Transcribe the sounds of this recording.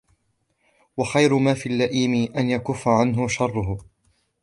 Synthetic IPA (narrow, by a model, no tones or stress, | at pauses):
wɑxajɾʊmaːfiːlːaʔiːmɪʔanjakʊfːaʕanɦʊʃɑrˤːʊɦʊ